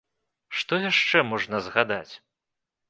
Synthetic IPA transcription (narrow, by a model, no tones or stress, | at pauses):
ʂt̪ɔjaʂt͡ʂɛmɔʐnɐzɣad̪at͡sʲ